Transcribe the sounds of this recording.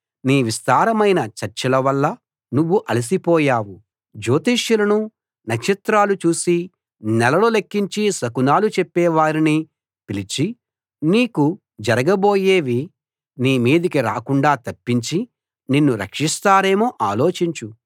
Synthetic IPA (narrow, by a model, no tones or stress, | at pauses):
niːʋist̪aːɾɐmɐjnɐt͡ʃɐɾt͡ʃɐlɐʋɐlːɐ | nuʋːuʔɐlis̬ipɔːjaːwu | d͡ʒoːt̪iːʃjulɐnu | nɐkʂɐt̪ɾaːlut͡ʃuːsi | nɛlɐlo̞ːlekːiɲt͡ʃisɐkunaːlut͡ʃepːɛːʋaːɾini | pilit͡ʃi | niːku | d͡ʒɐɾɐɡɐbo̞ːjeːʋi | niːmiːd̪ikiɾa̰ːkuɳɖaːt̪ɐpːiɲt͡ʃi | ninːuɾɐ̰kʂist̪aːɾe̞ːmoːʔaːlo̞ːt͡ʃiɲt͡ʃu